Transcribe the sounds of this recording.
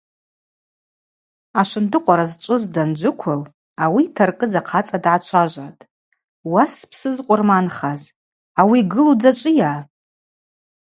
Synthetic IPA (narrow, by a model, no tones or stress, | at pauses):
aʃʷɨndɨqʷʼaɾazt͡ʃʷʼʊzdand͡ʒʷʊkʷʰʊl | awitʰarkʼɨzaqʰat͡sʼadʕat͡ʃʷʰaʒʷatʼ | waspʰsɨzqʷʼʊrmanχaz | awiɡɨlud͡zat͡ʃʷʼɨja